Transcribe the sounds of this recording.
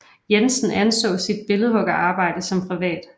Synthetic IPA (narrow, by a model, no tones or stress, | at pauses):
jensn̩ʔænsɔ̰̽ːsid̥̚b̥e̝lð̩ˠhɔ̽ɡ̥ɐʔɑ̈ːb̥ɑ̈ɪ̰d̥əsɒ̽mpʰʁiʋɛ̰ːd̥